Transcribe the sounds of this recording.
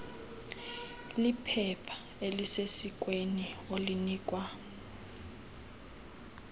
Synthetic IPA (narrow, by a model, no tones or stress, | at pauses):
lipʰɛpʰḁ | elisesik̬ʼwenioliniːkʼwa